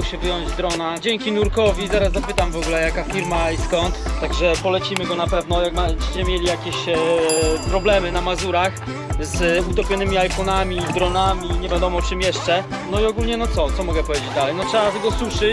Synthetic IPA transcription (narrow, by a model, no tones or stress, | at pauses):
kɕɛvjɔɲd͡ʑd̪ɾɔnad͡ʑɛŋkʲinuɾkɔvʲizaɾaszapɘt̪amvɔɡulɛjakafʲiɾmaiskɔnt̪ːaɡʐɛpɔlɛt͡ɕimɘɡɔnapɛvnɔjakmat͡ɕi̥t͡ɕɛmʲjelʲijakʲeɕ | pɾɔblɛmɘnamazuɾax | zut̪ɔpʲɔnɘmʲiajfɔnamʲid̪ɾɔnamʲiɲɛvʲjad̪ɔmɔt͡ʂɘmjɛʂt͡ʂɛ | nɔiɔɡulɲɛnɔt̪sɔt̪sɔmɔɡɛpɔvʲed͡ʑed͡ʑd̪alɛjnɔtʂɛat̪ɡɔswuʂɘt͡ɕ